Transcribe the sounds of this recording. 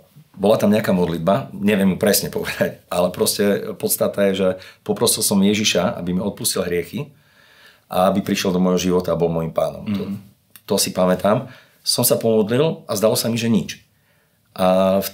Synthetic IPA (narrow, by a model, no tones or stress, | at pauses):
bɔlat̪amɲɛakaːmɔd̪lid̪baɲɛʋjɛmjupɾɛsɲɛpɔʋɛd̪̥acʔalɛpɾɔscɛpɔt̪st̪at̪ajɛʒɛpɔpɾɔsilˠsɔmjɛʒiʃaa̰bimiɔt̪̚puscilɦɾɪɛxi | ʔa̰abipɾiʃɛlˠd̪ɔmɔjɦɔʒiʋɔt̪aːbɔlmɔjimpaːnɔ̰mt̪ɔ | t̪ɔsipamɛt̪am | sɔmsapɔmɔd̪lilazd̪alɔsamiʒɛɲit͡ʃ | ʔaf